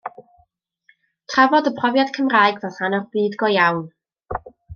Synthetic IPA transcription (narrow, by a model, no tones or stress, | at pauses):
tʰravɔdəpʰrɔvjad̥kʰəmraːɨɡvɛθanɔχb̥ɨːdɡɔjawn